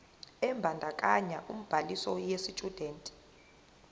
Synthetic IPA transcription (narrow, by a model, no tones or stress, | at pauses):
ɛmbʱandʱakʼaɲaʔum̩b̥ʱalisɔjesitʼud̥ʱɛːntʼi̥